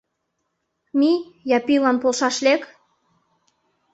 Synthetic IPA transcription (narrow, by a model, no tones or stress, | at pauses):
mijɑpilɑnpolʃɑʃlʲek